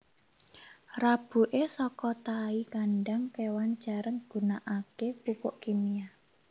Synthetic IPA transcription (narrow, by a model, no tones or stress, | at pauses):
rab̥ṳʔesɔkɔt̪aikanɖaŋkewant͡ʃaɾəŋɡ̥ṳnaʔakekupʊʔkimia